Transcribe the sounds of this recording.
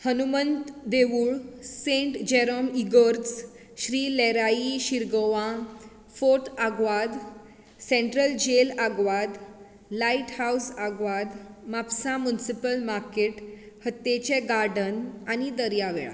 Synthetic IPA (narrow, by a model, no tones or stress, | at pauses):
hənumənt̪d̪eʋuɭsẽɳʈd͡ʑeɾəmiɡəɾd͡z | ɕɾiːleɾaiɕiɾɡəʋã | foʈ̪aɡʋad̪ | sẽɳʈɾəld͡ʑelaɡʋad̪ | laiʈhawsaɡʋad̪mapsamunisipəlmaɾkeʈ | hət̪ːet͡ɕeɡaɾɖənanid̪əɾjaʋeɭa̰